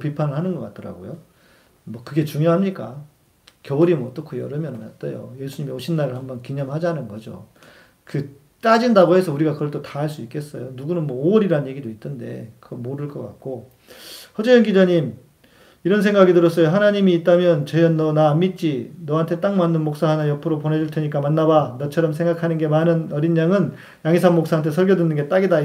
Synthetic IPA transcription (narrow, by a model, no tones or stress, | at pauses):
pipʰanɯɭɦhanɯnɡʌk͈atʰʌɾa̰ɡo̰jo | mwʌkɯɡe̞t͡ɕuŋjoɦamɲik͈a | kjʌuɾimʌt͈okʰojʌɾɯmjʌnɯnʌt̚t͈ʌjo̰je̞sʰuɲimioɕʰinːaɾɯɭhambʌnkiɲamɦad͡ʑaɦanɯnɡʌd͡ʑo̰ | kɯ | t͈ad͡ʑindaɡoɦe̞sʰʌuɾiɡakɯɡʌɭt͈otaɦaɭs͈uik͈es͈ʌjonuɡunɯnmwʌoʌɾiɾaɯnje̞ɡidoitʰɯnde̞̰kɯɡʌmoɾɯɭk͈ʌk͈a̰k̚k͈o | hʌd͡ʑejʌnɡid͡ʑaɲim | iɾʌns̬ʰe̞ŋɡaɡidɯɾʌs͈ʌjoɦanaɲimiːt̚t͈amjʌnt͡ɕʌjʌnːʌnamit̚t͡ɕ͈inʌɦantʰe̞t͈aŋmandɯnmok̚s͈aɦanajʌpʰɯɾoponɦe̞d͡ʑuɭtʰeɲik͈amanːabanʌt͡ɕʰʌɾʌms̬ʰe̞ŋɡakʰanɯnɡe̞manɯnʌɾinːaŋɯn | jaŋisʰaŋmok̚s͈aɦantʰe̞sʰʌɭɡjʌdwenːɯnɡet͈aɡida